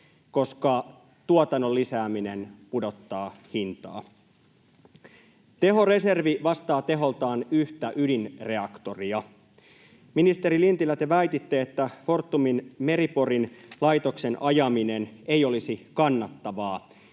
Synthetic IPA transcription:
ko̞skɑ | t̪uot̪ɑnːo̞lːisæːmine̞npudo̞t̪ːɑːhint̪ɑ̰ː | t̪e̞ɦo̞re̞se̞rʋiʋɑst̪ɑːt̪e̞ɦo̞lt̪ɑːnyht̪æʔydinre̞ɑkt̪o̞riɑ | minist̪e̞ɾilint̪ilːæt̪eʋæjt̪it̪ːeːt̪ːæfo̞rt̪ːuminme̞ɾipo̞rinlɑjt̪o̞kse̞nʔɑjɑmine̞ne̞jo̞lisikɑnːɑt̪ːɑʋɑː

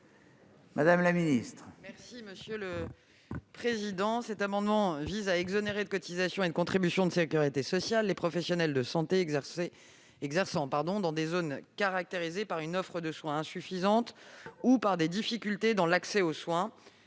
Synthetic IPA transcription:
mʔad̪amlaminist̪χmɛʁsiməsjølə | pχezid̪ɑ̃sɛt̪amɑ̃d̪mɑ̃vizaɛɡzɔneʁed̪əkɔt̪izasjɔ̃ed̪əkɔ̃t̪χibysjɔ̃d̪əsekʲyʁit̪esɔsjalːepχɔfɛsjɔnɛld̪əsɑ̃t̪e | ɛɡzɛʁsɑ̃paʁd̪ɔ̃d̪ɑ̃d̪ezonkaʁak̚t̪eʁizepaʁynɔfχəd̪əswɛ̃ɛ̃syfizɑ̃t̪upaʁd̪ed̪ifikʲylt̪ed̪ɑ̃laksɛoswɛ̃

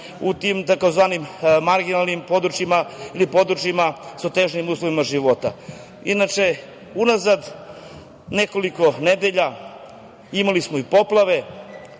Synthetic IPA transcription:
ut̪imt̪ako̞zʋaːnimmaɾɡinalˠnimpo̞d̪ɾut͡ʃjimailipo̞d̪ɾut͡ʃjimasot̪eʒnimuːslˠoʋimaʒiʋo̞t̪a | inat͡ʃe̞ | unazad̪ | neko̞liko̞ne̞d̪eʎa | imalismoipo̞plˠaʋe̞

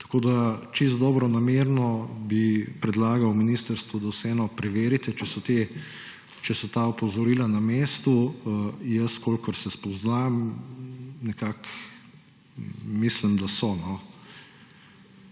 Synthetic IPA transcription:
t̪ḁkoːd̪at͡ʃist̪d̪ɔːbɾɔnameɾnɔbipɾɛd̪laːɡɐwminist̪əɾst̪ʋud̪awsɛɛːnɔpɾɛʋeːɾit̪ɛt͡ʃɛsɔt̪e | t͡ʃɛsɔt̪aɔpɔzɔɾiːlanameːst̪u | jəskolkɔɾsɛspɔznam | nɛkak | mislimd̪asɔnɔ

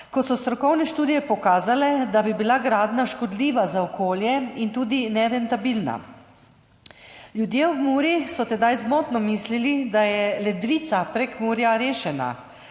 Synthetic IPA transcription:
kɔsɔst̪ɾɔkɔwnɛʃt̪uːd̪ijɛpɔkaːzalɛd̪abibilaɡɾaːd̪naʃkɔd̪liːʋazaɔkʰoːljɛint̪uːd̪inɛɾɛnt̪abilna̰ | ljud̪jeːɔbmuːɾjisɔt̪ɛd̪ajzmoːt̪nɔmislilid̪ajɛlɛd̪ʋiːt̪sapɾekmuːɾjaɾeːʃɛna̰

